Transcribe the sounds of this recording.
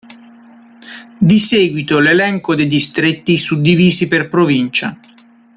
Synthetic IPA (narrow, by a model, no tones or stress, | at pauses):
d̪iseːɡwit̪olelɛŋkod̪ed̪ist̪ɾet̪ːisud̪ːiviːziperpɾovint͡ʃa̰